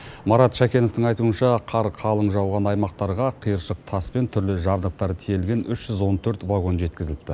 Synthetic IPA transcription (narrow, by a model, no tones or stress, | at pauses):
mɑɾɑt̪ʃækʲe̞no̞ft̪əɴɑjt̪uənʃɑqʰɑɾqʰɑlˠəɴʒɑwʁɑnɑjmɑq̚t̪ɑɾʁɑqʰijəɾʃəq̚t̪ʰɑspe̞nt̪ʰʏɾlɪʒɑbd̪əq̚t̪ɑɾt̪ʰijelɡʲe̞nʏʃʒ̥ʏzwo̞nt̪ʰɵɾt̪vaɡo̞nʒe̞t̪kʲɪzɪlɪp̚t̪ɪ